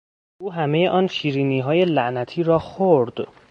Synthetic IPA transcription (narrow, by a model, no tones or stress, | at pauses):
ʔuːɦæme̞je̞ʔɒːnʃiːɾiːniːɦɒːje̞læʔnæt̪ʰiːɾɒːxoɾd̪̥